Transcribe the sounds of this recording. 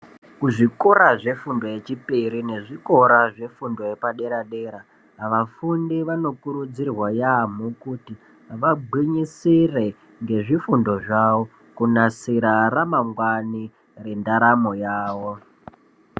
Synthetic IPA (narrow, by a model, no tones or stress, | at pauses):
kuʐikoɾaʐe̞fundo̞je̞t͡ʃipiɾine̞ʐiko̞ɾaʐe̞fundo̞jepaɗe̞ɾaɗe̞ːɾa | ʋafundiʋano̞kuɾud͡zirwajam̤ukuti | ʋabʱwiɲisire | ŋɡe̞ʐifundo̞ʐaːwo | kunasiɾaramaŋɡwani | re̞ndaɾamo̞jaːʋo